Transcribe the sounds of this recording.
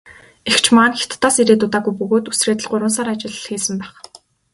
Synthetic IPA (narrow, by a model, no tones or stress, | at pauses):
ext͡ɕʰmaːnxe̥t̪ːaːsiɾeːt̪ʊt̪aːɣujpɵɣoːt̪usreːt̪ə̆ɮɢʊɾwə̆ns̬aːɾat͡ɕɪ̆ɮxiːsɘ̆mpæːχ